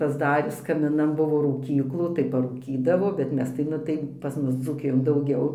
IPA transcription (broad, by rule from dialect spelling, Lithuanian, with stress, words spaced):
pɐzˈdɑːrʲɪs kɐmʲɪˈnɐn ˈbʊʋoː ruːˈkʲiːklˠuː tɐɪ pɐruːˈkʲiːdɐʋoː bʲɛt ˈmʲɛs tɐɪ ˈnʊ tɐɪ pɐs ˈmʊs d͡zuːˈkʲɪjoːn dɐʊˈɡʲɛʊ